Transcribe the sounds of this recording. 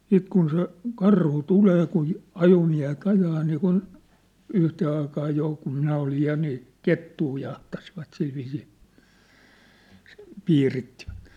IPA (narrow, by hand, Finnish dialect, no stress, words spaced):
siːt kun se kɑrhu tuleː kun̞ ɑjomiæ̝het ɑjɑː niːkun yhteː ɑikɑː joˑ kum minæ olij jɑ niː ketːuː jɑhtɑsiʋɑt silʋiːsiː piːritːiʋæ̥t